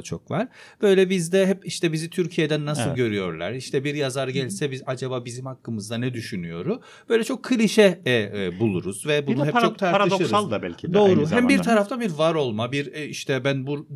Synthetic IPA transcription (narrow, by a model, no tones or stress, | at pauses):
t͡ʃʰo̞kvaɾ̥ | b̥ø̞jlʲɛbizd̪ɛɦɛpiʃt̪ʰɛbizit̪ʰyɾcʰijɛd̪ænːasɯlˠɟø̞ɾyjo̞̰ɾlʲˠa̰ɾiʃt̪ʰɛbiɾjazaɾɟælʲsɛbizad͡ʒabaːbizimhakːɯmɯzd̪anɛd̪yʃynyjo̞̰ɾu | b̥ø̞jlʲɛt͡ʃʰo̞kʰːɯlʲiʃɛbulˠuɾuz̥vɛbunuɛpt͡ʃʰo̞k̚t̪ʰaɾtaɾaɯd̪oɾsalˠd̪abɛ̰lʲcʰidd̪o̞ːɾuɦæmbiɾt̪ʰaɾaft̪ʰabiɾvaɾo̞lˠmabiɾiʃt̪ʰɛbænbuɾ